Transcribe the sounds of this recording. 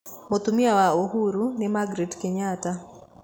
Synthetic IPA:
mot̪umjawaoɦuɾunɪmaɡɾetkɪɲata

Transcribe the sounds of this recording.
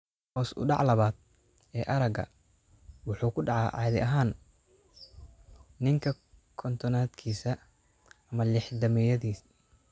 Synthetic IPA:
hɔːsʔʊ̰ɖɑ̰ʕlɐβaːd̪̚ | ɛːʔɐɾɐɡɐ̰ | wɑħuːkʰʊɖɑʕɑ̰ːʕɑ̰ːðɪʔɐɦaːn | nɪŋkʰɐ | kʰɔnt̪ʰɔnaːd̪kʰiːsɐː | mɐlɪħd̪ɐmɛjɐðiːs

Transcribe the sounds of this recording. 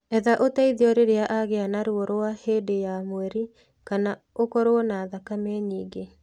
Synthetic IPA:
ɛðaʔotaiðiɔɾeɾeaʔaɣeanaɾwɔɾoaheːdejamwɛɾi | kana | okɔɾoɔnaðakamɛɲiːɡe

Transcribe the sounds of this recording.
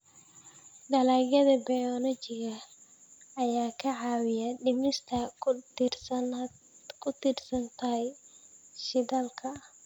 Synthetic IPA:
ɖɐlaːɡɐðɐbɐjɔlɔt͡ʃɪɣɐː | jaːkʰɐʕɑːwɪjɐɖɪbnɪst̪ʰɐrs | kʰʊt̪ɪrsɐnt̪ʰɐɦj | ʃɪdaːlkʰɐ

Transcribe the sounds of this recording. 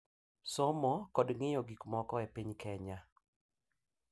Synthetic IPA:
sɔmɔkɔdŋɪjɔɡikmɔkɔɛpiɲkʰɛɲa

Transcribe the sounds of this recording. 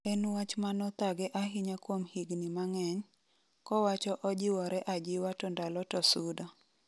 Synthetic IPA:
ɛnwat͡ʃmanɔt̪aɡɛʔaɦɪɲakwomhiɡnɪmaŋɛɲ | kɔwat͡ʃɔʔɔd͡ʒɪwɔɾɛʔad͡ʒɪwatɔndalɔtɔsudɔ

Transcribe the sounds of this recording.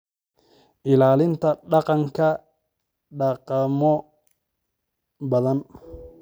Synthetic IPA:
ʔɪlaːlɪnt̪ʰɐɗɑqɑŋkʰɐ | ɗɑqɑmɔ | bɐðɐn

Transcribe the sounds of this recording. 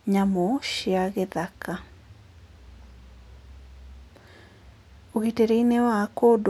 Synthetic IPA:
ɲamɔʃiaɣeðaka | oɣiteɾeinewakod

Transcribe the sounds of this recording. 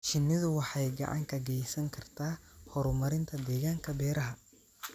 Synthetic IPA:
ʃɪnːɪðʊwɑħɑjɡɑ̰ʕɑ̰ŋkʰɐɡɛjsɐŋkʰɐrt̪ʰaːhɔɾʊmɐɾɪnt̪ʰɐd̪ɛːɣaːŋkʰɐbɛːɾɐɦɐ

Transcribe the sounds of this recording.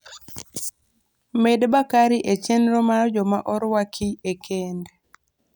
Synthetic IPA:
medbakaɾiʔet͡ʃenɾomaɔd͡ʒɔmaʔɔɾwakʰiekʰend

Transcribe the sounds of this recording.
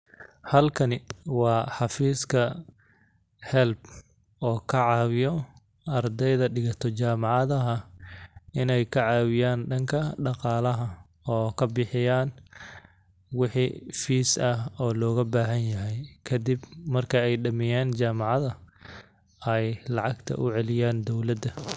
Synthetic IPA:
hɐlkʰɐnɪwɑːħɑfiːskʰɐ | hɛlb | ɔːkʰɐʕɑːwɪjɔ | ʔɐrd̪ɛjðɐɖɪɣɐt̪ʰɔt͡ʃaːmɑʕɑðɐɦɐ | ɪnɛjkʰɐʕɑːwɪjaːnɖɐŋkʰɐɖɑqɑːlɐɦɐ | ɔːkʰɐbɪħɪjaːn | wɪħḭfiːsɐhɔːlɔːɣɐbaːɦɐnjɐɦɛjkʰɐd̪ɪbmɐrkʰɐɛjɖɐmɪjaːnt͡ʃaːmɑʕɑðɐ | ɛjlɑʕɑɡt̪ʰɐ̰ʔʊʕɛlɪjaːnd̪ɔwlɐd̪ɐ

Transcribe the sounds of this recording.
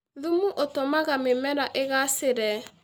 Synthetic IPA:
ðumuʔotomaɣamemɛɾaʔeɣaseɾɛ

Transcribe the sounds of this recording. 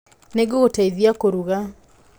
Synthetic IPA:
neɡootaiðjakoɾuɣa

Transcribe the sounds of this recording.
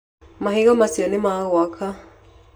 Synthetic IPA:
maɦiɣamasiɔnimaɣwakʰa

